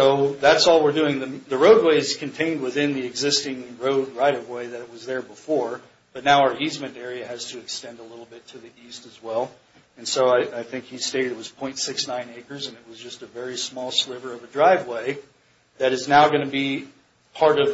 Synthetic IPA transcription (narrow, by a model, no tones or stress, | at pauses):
soʊðætsɔlˠwəɹdʉɪ̃ŋðɨðɨɹoʊd̚weɪɨz̥kʰɨ̃n̩tʰẽɪ̃nd̚wɨθɪ̃nðiɨɡzɪstɪ̃ŋɹoʊd̚ɹaɪɾʌvweɪðɨɾɨt̚wʌzðə˞bəfɔɹ | b̥ʌtⁿnaʊaə˞izmɨ̃ntɛɹiɨɨz̥tʰɨɨkstɛ̃ndəlɪɾl̩ˠbɪtʰɨðiʔistɨzwɛlˠ | ɨ̃nsoʊaɪʔaɪθɪ̃ŋkhisteɪɾɨɾɨt̚wʌz̥pʰɔ̃ɪ̃ntsɪksnãɪ̃neɪkə˞zɨ̃nɨt̚wʌzd͡ʒʌstɨvɛɹismɔlˠslɪvə˞ʌvɨdɹaɪvweɪ | ðɨɾɨznaʊɡʌñɨbi | pʰɑɹɾʌv